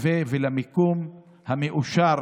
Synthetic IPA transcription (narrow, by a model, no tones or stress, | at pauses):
vevelamikum | hameʔuʃaɾ